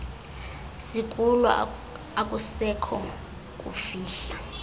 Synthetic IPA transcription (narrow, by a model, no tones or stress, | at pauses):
sikʼulɔ̰ | akʼusɛkʰɔ | k̬ʼṵfiːɬa